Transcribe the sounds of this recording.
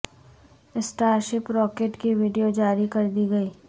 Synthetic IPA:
ɪsʈaːɾʃɪpɾɔːkeːʈkiʋiɖijod͡ʒaːɾikɐɾd̪iɡɐiː

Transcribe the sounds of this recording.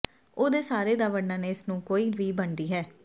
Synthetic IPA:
oːd̪eːsaːɾeːd̪aːʋəɽnãːneːɪsnũːkoːiːʋiːbəɳd̪iːɦɛː

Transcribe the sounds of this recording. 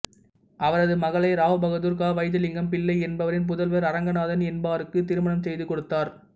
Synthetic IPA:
ʔɐʋɐɾɐðɯmɐɣɐɭɐɪɾaːʋɯbɐɣɐðuːɾkaːʋɐɪðɯlɪŋɡɐmpɪɭːɐɪɛnbɐʋɐɾɪnp̬ʊðɐlʋɐɾɐɾɐŋɡɐnaːðɐnɛnbaːɾɯkːɯt̪ɪɾɯmɐɳɐmsɛjðɯkɔɽɯt̪ːaːɾ

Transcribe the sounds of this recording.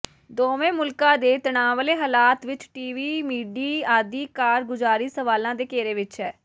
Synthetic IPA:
d̪oːʋẽːmʊlkãːd̪eːt̪ənaːʋəleːɦaːlaːt̪ʋɪt͡ʃʈiːʋiːmiːɖiːaːd̪iːkaːɾɡʊd͡ʒaːɾiːsəʋaːlãːd̪eːkeːɾeːʋɪt͡ʃɦɛː

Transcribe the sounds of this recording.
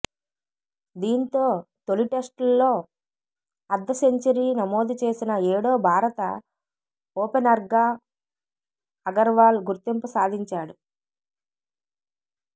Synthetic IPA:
d̪iːnt̪o̞ːt̪o̞liʈe̞sʈlːo̞ː | ɐd̪ːɐseɲt͡ʃɐɾiːnɐmo̞ːd̪it͡ʃe̞ːsinɐeːɽoːbʱaːɾɐt̪ɐ | oːpenɐɾɡaː | ɐɡɐɾʋaːlɡuɾt̪impusaːd̪ʱiɲt͡ʃaːɽu

